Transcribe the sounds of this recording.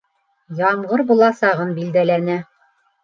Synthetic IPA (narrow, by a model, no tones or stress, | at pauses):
jɑmʁɤɾbulˠɑsɑʁɤnbild̪ælænæ